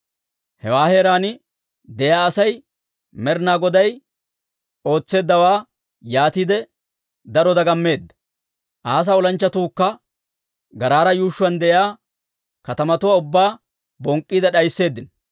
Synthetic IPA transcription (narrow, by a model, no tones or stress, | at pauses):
hɛwaːhe̞ːɾaːnɪ | d̪ɛjaːɐsɐj | mɛɾnaːɡɔd̪ɐj | o̞ːt͡sːe̞ːd̪ːɐwaː | jaːt̪id̪ɛ | d̪ɐɾɔd̪ɐɡɐmːe̞ːd̪ːɐ̥ | ʔaːs̬ɐɔlɐnt͡ʃːɐt̪uːkːɐ | ɡɐɾaːɾɐjuːʃːʊwɐnd̪ɛʔjaː | kɐt̪ɐmɐt̪ʊwaʊbːaː | bɔŋkʼːiːd̪ɐɗɐjsːe̞ːd̪ːɪn